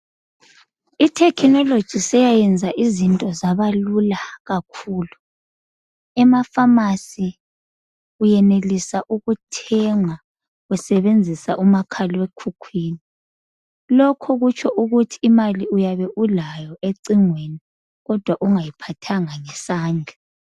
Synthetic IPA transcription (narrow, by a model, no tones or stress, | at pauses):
itʰɛkʰnɔlod̥ʒ̥ʱisɛjajɛnd͡zʱaʔizintʼɔzaβalulaɣakʰuːlu | ɛmafamasi | ujɛnelisaʔuɣutʰɛŋa | wɛsɛβend͡zʱisaʔumakʰalwekʰukʰwiːni | lɔkʰɔɣut͡ʃʰɔʔuɣutʰi̥ːmaliujaβɛʔulajɔʔeǀiŋweni | ɣɔd̥ʱwaʔuŋajipʰatʰaŋaŋɛsaːnd͡ɮʱa